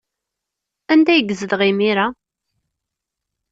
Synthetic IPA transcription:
ænd̪æjəɡəzəðʁimiɾa

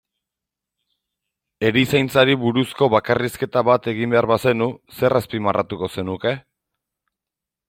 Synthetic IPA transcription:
e̞ɾisajnt͡saɾiβuɾusko̞βakariske̞t̪aβat̪e̞ɣimbe̞aɾβase̞nuse̞raspimarʔat̪uko̞se̞nuke̞

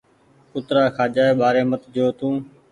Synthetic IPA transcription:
kʊt̪ɾaːkʰaːd͡ʒaːeːɓaːɾeːmət̪d͡ʒoːt̪ũː

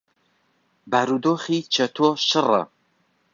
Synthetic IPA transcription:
baɾud̪oːχiːt͡ʃʰɐt̪ʰoʃɨrə̰

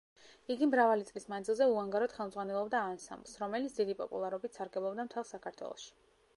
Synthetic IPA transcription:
iɡimɾavalit̪sʼlismand̪zilˠzɛuaŋɡaɾɔd̪̥χɛlˠmd̪zʁwanɛlˠɔbd̪aːnsa̰mblˠsɾɔmɛlit̪sʰd̪id̪ipʼɔpʼṵlˠaɾɔbit̪saɾɡɛblˠɔbd̪amt̪ʰɛlˠsakʰaɾt̪ʰwɛ̰lˠɔ̰ʃi̥

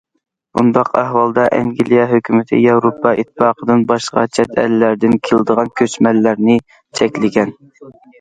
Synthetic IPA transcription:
ṵnd̪ɑqʰæhwɑlˠd̪ɑʔɛŋɡʲilijɑɦøkʲʰymɪt̪ʰɪ̰jɑwɾopʰːɑit̪ʰːɨpɑːqʰəd̪ɨnbɑʃqɑ̰t͡ʃʰɛt̪ʰæ̰lːæɾd̪ɪnkʲʰelˠɨd̪əʁɑnkʲʰøt͡ʃmɛlːæɾnɪ | t͡ʃʰɛkʲlɪɡʲɛn

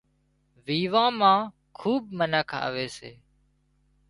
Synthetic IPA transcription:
ʋiːʋãːmãː | kʰuːb̚mənəkʰa̰ːʋeːsḛː

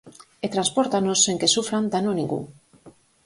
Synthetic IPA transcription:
et̪ɾanspoɾt̪anosːeŋkesufɾand̪anonĩŋɡṵ

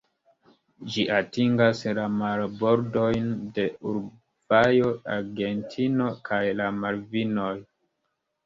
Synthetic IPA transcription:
d͡ʒiʔatiŋɡaslamalbo̞ɾdo̞jnde̞uɾ | b̥ajo̞aɾɡe̞ntʰino̞kajlamalvino̞j

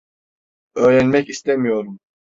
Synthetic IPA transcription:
ø̞ːɾænmɛcist̪ʰemijo̞ɾum

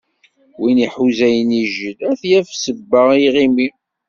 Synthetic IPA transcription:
winiħuzæjəniʒəlæθjæfsəbːəʁiʁimi

